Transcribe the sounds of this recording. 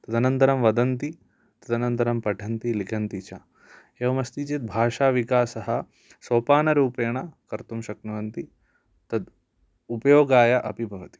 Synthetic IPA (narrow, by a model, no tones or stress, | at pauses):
t̪ɐd̪ɐnɐnt̪ɐɾɐmʋɐd̪ɐnt̪i | t̪ɐd̪ɐnɐnt̪ɐɾɐmpɐʈʰɐnt̪ilikʰɐnt̪it͡ʃʰa̰ | jɐʋɐmɐst̪it͡ʃit̪̚bʱaːʃaːʋikaːsɐɦɐ̆ | soːpaːnɐɾuːpeːɳɐkɐɾt̪umʃɐknuʋɐnt̪i | t̪ɐd̪ | upɐjoːɡaːjɐʔɐ̰pibʱɐʋɐt̪i̥